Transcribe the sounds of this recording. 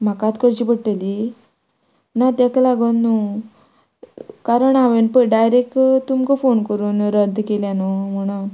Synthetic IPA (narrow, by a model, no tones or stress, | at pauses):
m̤akat̪kəɾt͡ɕiːpəɽʈəli | nat̪jat̪alaɡənːu | kaɾəɳaʋenpəɖajɾekʈt̪umkəfonkəɾuːnɾəd̪ʱːkeljanom̤əɽ̃u